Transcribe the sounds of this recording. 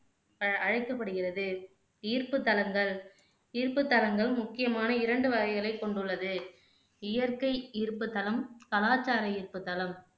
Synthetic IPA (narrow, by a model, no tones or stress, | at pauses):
ɐɐɻɐɪkːɐpːɐɽɯɣɪrɐðɯ | iːrpɯt̪ːɐlɐŋɡɐɭ | iːɾpɯt̪ːɐlɐŋɡɐɭmʊkːɪjɐmaːnɐɪɾɐɳɖɯʋɐɣɐɪɣɐlɐɪkːɔɳɖɯɭːɐðɯ | ɪjɐɾkɐɪiːɾpːɯt̪ːɐlɐmkɐlaːt͡ʃːaːɾɐiːrpɯt̪ːɐlɐm